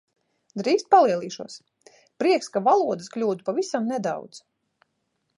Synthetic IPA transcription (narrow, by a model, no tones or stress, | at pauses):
d̪ɾiːkst̪̚palˠiɛlˠiːʃuɔs | pɾiɛkskavalˠuɔd̪ɨsklʲuːd̪upavisamnɛd̪a̰wd̪z̥